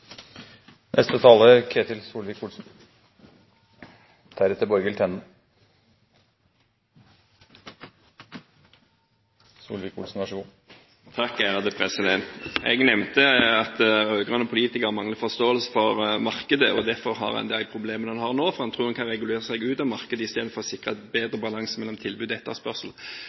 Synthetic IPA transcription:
nʔɛst̪ət̪ʰɑːləkʰeːt̪ɪlsuːlʋɪːkʰuːlsn | t̪ʰæɾɛt̪əbɔɾɡəlt̪ʰɛnən | sṵːlʋikṵlsn̩ɑʂɡu | t̪ʰɑkːæːʁɑd̪əpʰʁɛsɪd̪ɛnt̪ɛ̰ɡnɛmnt̪əɑt̪ɾøːɡʁɑnəɔpʰʊliːt̪ɪkəʁmɑŋləfɔst̪oːəlsə̥fɔʁmɑʁkəd̪əʔɔd̪æʁfɔʁɦɑ̰ʁɑ̰nd̪eːlpʰʁʊbleːmənhɑnhɑʁnoːfɔʁhɑnt̪ʰʁuːʁhɑnkʰɑnʁɛɡʉleːʁəsɛɡʉːt̪ɑʋmɑʁkəd̪əɪst̪eːd̪n̩fɔʁɔsɪkʁəbeːd̪ʁəbɑlɑŋsəmɛlːɔmt̪ʰɪlbʉːd̪ɛt̪ːəʁspœʁsl̩

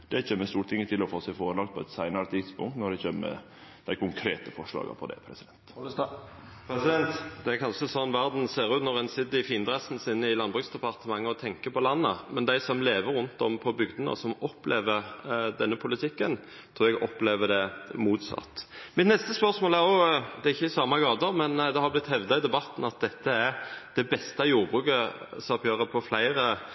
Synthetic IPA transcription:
d̪̥ɛçeːmːəst̪uːɾʈ̪ʰɪŋːət̪ʰɪlɔfoːsæɪfoːɾəlɑk̚t̪pʰɔɛt̪sæɪnəɾət̪ʰɪd̪spʊ̰ŋt̪nɔɖ̪ɛçeːmə̰ | d̪̥æɪkʰʊŋkʰɾeːt̪əfɔʂlɑ̰ːɡə̰pʰɔd̪ɛ̰pʰɾɛsɪd̪ɛnt̪ | pʰɾɛsɪd̪ɛnt̪d̪ɛækʰɑnʃəsɔnːʋæʁd̪n̩seːɾʉːt̪nɔʁɛnsɪd̪ɪfiːnd̪ʁɛsn̩sɪnːəɪlɑnbʁʉːksd̪ɛpɑʁt̪əmɑŋːəɔt̪ʰɛŋkəpʰɔlɑnːəmɛnd̪æɪsɔmleːʋəɾʉnt̪ɔmpʰɔbʏɡd̪ənə̰sɔmɔpleːʋəʁd̪ɛnːəpʰʊlɪt̪ʰɪkːən | t̪ʰʁuːɾɛɡɔpleːʋəd̪ɛmuːt̪sɑ̰t̪ːmɪt̪nɛst̪əspœʁsmoːlæɾɔd̪ɛæɾɪçːəɪsɑːmɑɡɑːd̪əmɛnd̪ɛhɑʁblɪt̪ːhɛʋd̪ɑɪd̪ɛbɑt̪ːn̩ɑt̪̚d̪ɛt̪ːəæd̪̥ɛbɛst̪ɑjuːʁbʁʉːkə | sɑpjøːʁəpʰɔflæɪʁə

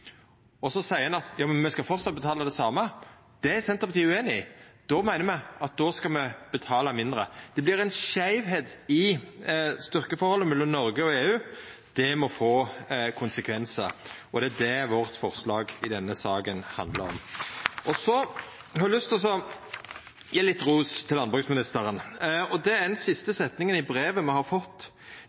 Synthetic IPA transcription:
ɔsɔsæɪəɛnɑt̪jɑːmɛnmɛskɑfɔɾʁt̪sɑt̪̚bət̪ʰɑːləd̪ɛsɑːmə | d̪̥ɛæsɛnt̪əɾpɑt̪ʰiːəʉeːnɪɪd̪̥ɔmæɪnəɾmɛɑt̪̚d̪ɔskɑmɛb̥ət̪ʰɑːləmɪnd̪ɾəd̪̥ɛblɪɾænʃæɪʋɦeːt̪ɪ | st̪ʏɾkəfɔɾhɔlːəmɛlːəmnɔɾɡəɔeːʉːd̪̥ɛmɔfoːkʰʊnsəkʰʋɛnsəɔd̪ɛæd̪ɛʋɔʁt̪fɔɾslɑːɡɪd̪ɛnːəsɑːɡənhɑ̰nd̪lə̰ɾɔ̰mʔɔsɔ | hɑɾælʏst̪s̬ɔ | jælɪt̪ːɾuːst̪ʰɪlɑnbʁʉːsmɪnɪst̪əɾənɔd̪ɛnsɪst̪əsɛt̪nɪŋənɪbɾeːʋəmɛhɑɾfɔt̪ː

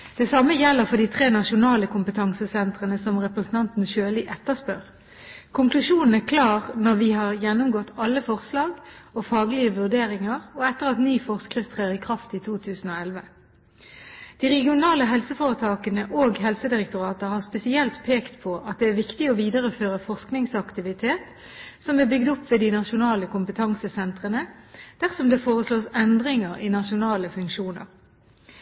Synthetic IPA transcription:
d̪̥ɛsɑməjɛlːəʁfɔd̪iːt̪ʰʁeːnɑʃʊnɑːləkʊmpət̪ʰɑŋsəsɛnt̪ʁənəsɔmʁɛpʁəsn̩t̪ʰɑnt̪n̩ʃøːlɪʔɛt̪ːəspœʁ | kʰʊŋklʉʃuːnn̩æʁkʰlɑːʁnɔʁʋiːhɑʁjɛnːʊmɡɔt̪ːɑlːəfɔʁslɑːɡofɑːɡlɪəʋʉʁd̪eːʁɪŋɑʁɔɛt̪ːəʁɑt̪niːfɔʁskʁɪft̪ʰʁeːʁɪkʰʁɑft̪it̪ʰuːt̪ʰʉːsn̩oːɛlʋə | d̪̥iːʁɛɡɪʊnɑːləɦɛlsəfoːʁət̪ʰɑːkənəʔoːɡhɛlsəd̪ɪʁɛk̚t̪ʊʁɑːt̪əhɑʁspɛsɪɛlt̪pʰeːkt̪pʰɔʔɑt̪̚d̪ɛæːʋɪkt̪ɪɔʋiːd̪əʁəføːʁəfɔʁsknɪŋsɑkt̪ɪʋɪt̪ʰeːt̪ | sɔmæbʏɡd̪ɔpːʋeːd̪ɪnɑʃʊnɑːləkʊmpət̪ʰɑŋsəsɛnt̪ʁənəd̪̥æʁsɔmd̪eːfoːʁəsloːsɛnd̪ʁɪŋəʁiːnɑʃʊnɑːləfʉŋkʃuːnə̰ʁ

